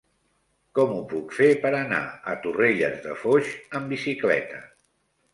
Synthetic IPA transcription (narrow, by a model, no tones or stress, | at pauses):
kɔmupukfepəɾəna̰ət̪ureʎəzðəfoʒəmbisiklɛ̰t̪ə